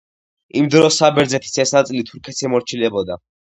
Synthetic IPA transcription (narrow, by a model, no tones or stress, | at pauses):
imd̪ɾɔsːabɛɾd̪zɛt̪ʰi̥sɛsnat̪sʼilit̪ʰuɾkʰɛt̪sʰɛmɔɾt͡ʃʰilɛbɔd̪a